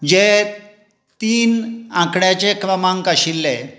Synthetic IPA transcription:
d͡ʑe | t̪iːnãkɽjat͡ɕekɾəmãŋkaɕilːe

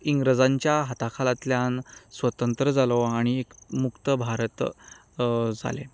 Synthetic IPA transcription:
iŋɡɾəd͡zaɲt͡ɕjaɦat̪akʰalat̪ljansʋət̪ənt̪ɾəd͡zaloaɽ̃iekmukt̪əbʱaɾət̪ | d͡za̰lḛ

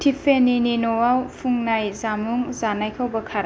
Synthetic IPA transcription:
tʰipʰenininɔwawpʰuŋnajzamuŋzanajkʰawbɐkʰaɾ

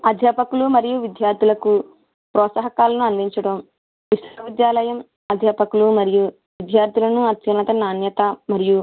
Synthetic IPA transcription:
ɐd̪ʱjeːpɐkulumɐɾijuʋid̪jaːɾd̪ʱilɐku | pɾɔːt̪sɐɦɐkaːlɐnuɐnd̪iɲt͡ʃɐɽɐm | ʋisɐʋid̪jaːlɐjɐm | ɐd̪ʱjeːpɐkulumɐɾiju | ʋid̪ʱjaːɾt̪ilɐnuɐt̪jɐnɐt̪ɐnaːnjɐt̪ɐmɐɾiju

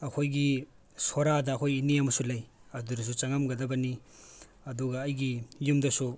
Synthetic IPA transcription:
ɐkʰojɡi | soɾadɐːkʰojineɐmɐsulɐjɐduɾɐs̬ut͡ʃɐŋamɡɐdɐbɐni | ɐduɡɐːjɡijumdɐsu

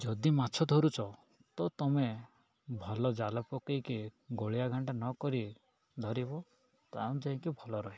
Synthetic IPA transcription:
d͡ʒɔd̪imat͡ʃʰɔd̪ʱɔɾut͡ʃʰɔ | t̪ɔt̪ɔme | bʱɔlɔd͡ʒalɔpɔkɔjkiɡoɭijaɡʱaɳʈanɔkɔɾi | d̪ʱɔɾibɔ | t̪aw̃d͡ʒaɦĩkibʱɔlɔɾɔɦi

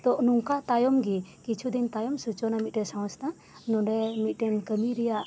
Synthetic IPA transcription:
t̪ɔʔnuŋkat̪ajɔmɡikit͡ʃʰud̪int̪ajɔmsut͡ʃɔnamit̪̚ˀʈɛsãw̃st̪ʰa | nɔɖɛmit̪̚ˀʈɛnkəmiɾɛjaʔ

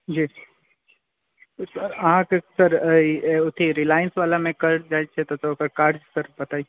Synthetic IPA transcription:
d͡ʒiː | osəɾɐɦãkesɐɾ | ʊt̪ʰiɾɪlaːjənsʋaːlamẽkɐɾd͡ʒaːet͡ʃʰet̪ot̪okəɾkaːɾd͡ʒsɐɾbɐt̪aːi

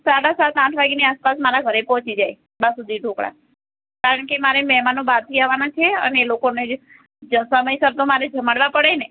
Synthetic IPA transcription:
saɽasat̪ãʈʰʋaɡniaspasmaɾaɡʱəɾepɔ̃t͡ʃid͡ʒaj | bãsud̪ʱiɖʱõkɽa̰ | kaɾəɳkemaɾemɛɦmanõbaɾt̪ʰiaʋanat͡ʃʰeə̰neːlokone | d͡ʒsəməjsəɾt̪õmaɾed͡ʒʱəmaɽʋapəɽene

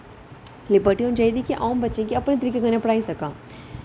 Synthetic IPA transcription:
lɪbəɾʈijõd͡ʒɐjd̪ikiʔa̰ːmbɐtːʃẽkiɐpnet̪̬əɾiːkeɡʱɐnẽpɐɽaːisɐkaː

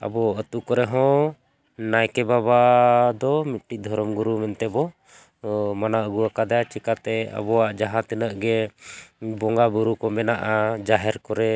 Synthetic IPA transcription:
a̰bɔət̪ukɔɾɛɦɔ̃ | najkɛbabad̪ɔmit̪̚ʈiˀd̪ʱɔɾɔmɡuɾumɛnt̪ɛbɔ | manaʔəɡuwakad̪aat͡ʃikat̪ɛə̰bɔwaʔd͡ʒaɦãt̪inəʔɡɛ | bɔŋɡabuɾukɔmɛnaʔad͡ʒaɦɛɾkɔɾɛ

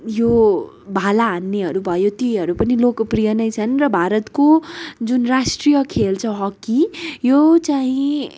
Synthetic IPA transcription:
jo | bʱalaɦanːeɦʌɾubʱʌjot̪iɦʌɾupʌnilokprijʌnʌjt͡sʰʌnrʌbʱaɾʌt̪kod͡zunrasʈrijʌkʰelt͡sʰʌ̃ɦʌkːijot͡saĩ

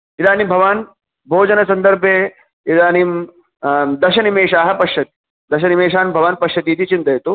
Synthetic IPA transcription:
id̪aːnimbʱɐʋaːn | bʱoːd͡ʒɐnɐsɐnd̪ɐɾbʱje | id̪aːnim | d̪ɐʃɐnimeːʃaːɦɐpɐʃjɐt̪i̥ | d̪ɐʃɐnimeːʃaːnbʱɐʋaːnpɐʃjɐt̪iːt̪ʰit͡ʃint̪ɐjɐt̪u

